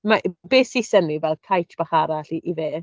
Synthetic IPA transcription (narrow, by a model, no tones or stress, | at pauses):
maʔbeːsisənivɛlˠkʰajtʰb̥aχaɾaɬiʔːveː